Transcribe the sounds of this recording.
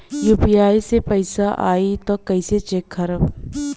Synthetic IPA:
juːpijaːisepɐɪsaʔa̰ːit̪okɐiset͡ʃeːkʰːɐɾəb

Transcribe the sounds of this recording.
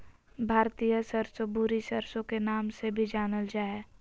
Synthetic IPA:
bʱaːɾt̪ijəsəɾsobʊɾisəɾsõkenaːmsebʱid͡ʒaːnəld͡ʒaːe

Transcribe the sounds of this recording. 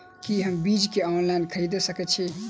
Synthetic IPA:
kiɦəmbid͡ʒkeɔnlainkʰəɾid̪esəkɛt̪t͡ʃʰi

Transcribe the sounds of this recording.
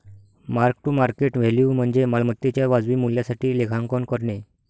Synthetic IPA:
maɾkʈumaɾkeʈʋ̤eljuːm̤əɳd͡zemalmət̪ːet͡ɕjaʋad͡zʋiːmuljasaʈiːlekʰãŋkɔnkəɾɳe

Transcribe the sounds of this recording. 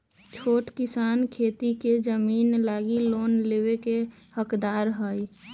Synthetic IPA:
t͡ʃʰoːʈkɪsaːnkʰeːt̪iked͡ʒəmiːnlaːɡiloːnleːweke | həkd̪aːɾɦəi

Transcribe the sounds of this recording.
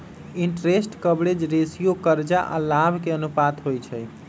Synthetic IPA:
iɳʈɾesʈkəbɽed͡ʒɾesijokəɾd͡ʒaʔa̰labʱkeənupat̪ɦojt͡ʃʰɛj

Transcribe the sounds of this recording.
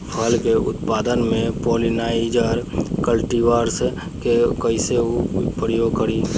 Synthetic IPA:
pʰəlkeʊ̰t̪paːd̪ənmẽpɔːlinaːɪd͡ʒəɾkəlʈiwaːɾse | kekəɪseupɾjoɡ̚kəɾi

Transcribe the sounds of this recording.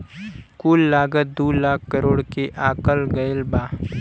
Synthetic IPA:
kuːlːaːɡət̪̚d̪uːlaːk̚ʰkəɾoːɽkeʔaːkəlɡɐəlbaː

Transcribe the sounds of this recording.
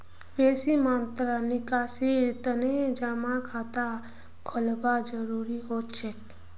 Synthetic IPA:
beːsimãnt̪ɾanɪkaːsiɾt̪əned͡ʒamãkʰaːt̪a | kʰəlbad͡ʒəɾuɾiɦot̪t͡ʃʰe

